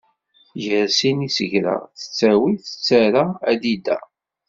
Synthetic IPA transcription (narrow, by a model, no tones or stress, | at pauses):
jəɾsinisəʝɾa̰θə̥t͡sːæwiθə̥t͡sːæɾaæd̪id̪æ̰